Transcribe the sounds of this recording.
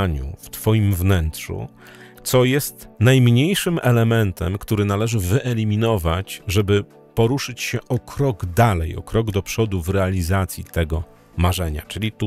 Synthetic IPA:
ɲṵft̪fɔjimvnɛntʂṵ | t̪sɔjɛst̪najmɲejʂɘmʔɛlɛmɛnt̪ɛmkt̪uɾɘnalɛʐɘvɘʔɛlʲimʲinɔvat͡ɕʐɛbɘ | pɔɾuʂɘt͡ɕɕɛʔɔkʰɾɔɡd̪alɛjɔ̰kɾɔɡd̪ɔpʂɔd̪uvɾɛalʲizat̪sʲjḭt̪ɛɡɔ | maʐɛɲa̰t͡ʂɘlʲit̪u

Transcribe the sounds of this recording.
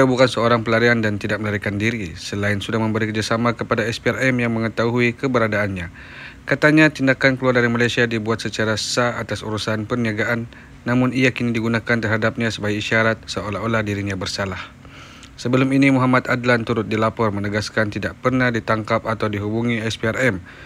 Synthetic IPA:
iabukansəoɾaŋpəlaɾiandant̪idaʔ̚məlaɾikandiɾisəlaɪnsudahməmbəɾikərd͡ʒasamakəpadaɛspiarɛmjaŋməŋət̪aɦuikəbəɾadaːnɲa | kat̪aɲat̪indakankəluardaɾimalajsiadibuat̪̚sət͡ʃaɾaə̥saat̪asṵɾusanpərniaɡaʔanː | amʊniakinidiɡunakant̪ərɦadap̚ɲãsəbaɡaiʃaɾat̪̚səolaolahdiɾiɲãbərsalah | səbəlʊminimuɦamat̪adlant̪uɾʊt̪̚dilapɔrmənəɡaskant̪idaʔpərnahdit̪aŋkapat̪awdiɦubuŋiɛspiarɛm

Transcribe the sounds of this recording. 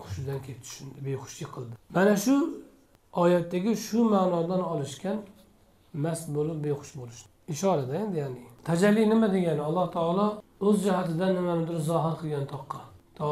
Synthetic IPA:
qʰʊ̥ʃd̪ɛnkʲʰet͡ʃ̪ʰy̥ʃynd̪ɪbejχʊ̥ʃliqʰəlˠd̪ɨmɛnɛʃu | ɑːjɛt̪ːɛɡʲɪʃumaːnɑːd̪ɑnɑlˠɨʃkʲɛn | mɛsbolˠup̚bejχʊ̥ʃbolˠuʃt̪ | iʃɑːɾɛd̪ɛend̪ɪjaːnɪt̪ʰɛd͡ʒɛlːijnɪmɛd̪eɡʲɛnɑlˠːɑht̪ʰɑːlˠɑøzd͡ʒɑɦɑt̪ɪd̪ɛnhɪmɛmɪd̪ʊɾɨzɑːɦɨɾqʰəlˠɡʲɛnt̪ʰɑqːɑt̪ʰɑ

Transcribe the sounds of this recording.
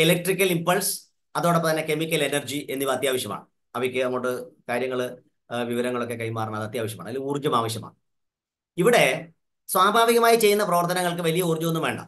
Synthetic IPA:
elek̚ʈrikʲːɐlimpɐls | ɐðo̞ːɽepːɐt̪ɐnːe̞kemikʲːɐle̞nɐrd͡ʑiʔe̞nːiʋɐt̪jaːʋɐɕjɐma̰ːɳɨ | ɐʋɐjkʲːenɐmːoʈːɨkaːɾjɐŋːɐɭ | ʋiʋɐɾɐŋːɐɭo̞k̬ːe̞kɐjmaːrɐnɐmɐðɨɐt̪jaːʋɐɕ̬jɐmaːɳɐlːuːrɲːɐmaːʋɐɕjɐma̰ːɳɨ | iʋiɽe̞ | swaːbʱaːʋiɣɐmaːjit͡ɕe̞jːunːɐprɐʋɐrt̪ɐnɐŋːɐɭk̬ɨʋɐlijɐuːrɲːuonːumʋe̞ːɳɖɐ̰

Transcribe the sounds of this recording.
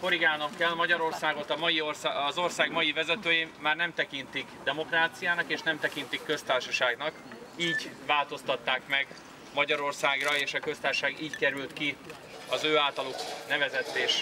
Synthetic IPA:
fo̞ɾiɡaːnɒkːɛlmɒɟɒɾo̞rsaːɡo̞t̪ɒmɒjiorsaɒzo̞rsaːɡmɒjivɛzɛt̪øːjeːmaːrnɛmt̪ɛkint̪ikd̪ɛmo̞kraːt̪sijaːnɒkeːʃnɛmt̪ɛkint̪ikːø̞st̪aːrʃɒʃaːɡnɒk | iːɟvaːlt̪o̞st̪ɒt̪ːaːkmɛɡ | mɒɟɒɾo̞rsaːɡrɒeːʃɒkø̞st̪aːrʃɔʃaːɡiːckɛɾylt̪ki | ɒzøːaːlt̪ɒluknɛvɛzɛt̪ːeːʃ

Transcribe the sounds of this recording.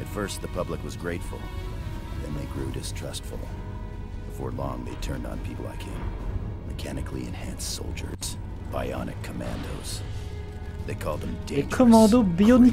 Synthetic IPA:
ɨtfɜ˞st̪̚ðɨpʰʌbləkwʌzɡɹeɪtfl̩ˠ | ðɨ̰̃nðeɪɡɹʉdɨstʰɹ̥ʌstfl̩ˠ | b̥əfɔɹlɔ̰̃ŋðeɪtʰɜ̃˞nd̃n̩pʰipl̩ˠa̰ɪkʰẽɪ̃mmɨkʰænɨkʰliɨ̰̃nhæ̃nsoʊlˠd͡ʒə̰˞ | baɪɑ̰nɨ̰kʰːəmæ̰̃ndoʊz̥ | ðeɪkʰɔlˠd̪̚ðə̃mdekʰəmɑ̃d̪obijon

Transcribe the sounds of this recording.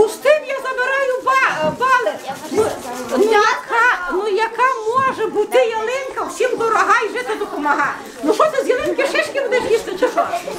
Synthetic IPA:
ʊst̪ɪmjazɐbeɾɑjʊbɑbɑlˠe | nʊɐkʰanʊjɐkamɔʒɛbut̪ɪjelˠɪnkɐwsʲimd̪ɔɾɐɦɑjʒɪt̪ɪd̪ɔpɔmɐɦɑ | nʊʃɔsɐzʲjelˠɪnkʲɪʃɪʃkʲɪbd̪ɛʒjist̪ɪt͡ʃeʃɔʃ

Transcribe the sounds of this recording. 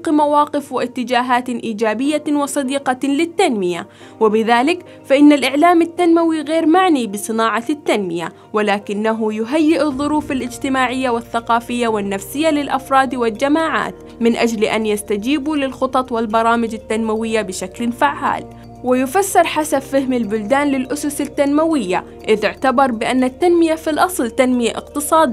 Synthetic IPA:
qmawɑːqɪfwɪʔɪt̪ːɪd͡ʒaːɦaːt̪ʔiːd͡ʒaːbɪjːawɪsˤɑd̪iːqɑlɪt̪ːanmɪja̰ | wɪbɪðaːlɪk | faʔɪnːalʔɪʕlaːmat̪ːanmawiɣeːɾmaʕnibɨsˤɨnaːʕɑt̪ːanmɪja̰ | wɪlaːkɪnːaɦʊjʊɦajːɪʔɨðˤːʊɾuːfalʔɪd͡ʒt̪ɪmaːʕɪjːawɪθːaqɑːfɪjːawɪnːafsɪjːalɪlʔɑfɾˤɑːd̪wɪld͡ʒamaːʕa̰ːt̪ | mɪnʔad͡ʒlʔanjast̪ad͡ʒiːbulɪlxʊt̪ˤɑt̪ˤwɪlbɑɾˤɑːmɪd͡ʒɪt̪ːanmawɪjːabɪʃaklfaʕːa̰ːl | wɪjʊfasːɪɾˤħasabfɪhmɪlbʊld̪aːnlɪlʔʊsʊsɪt̪ːanmawɪjːa̰ | ʔɪðɪʕt̪abɑɾˤbɪʔanːat̪ːanmɪjafilʔɑsˤlt̪anmɪjaʔɪ̰qt̪ɨsˤɑːd̪

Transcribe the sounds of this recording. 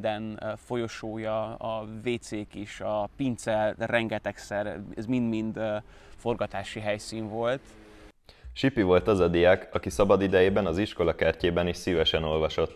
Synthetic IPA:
d̪ɛnfo̞jo̞ʃoːjɒɒveːt̪seːkiʃɒpint̪sɛlrɛŋɡɛt̪ɛksɛrɛzmind̪mind̪ | fo̞rɡɒt̪aːʃiɦɛjsiːnvo̞lt̪ | ʃipivo̞lt̪ɒzɒd̪ijakɒkisɒbɒd̪id̪ɛjeːbɛnɒziʃko̞lɒkɛrceːbɛniʃsivɛʃɛno̞lvɒʃo̞t̪ː

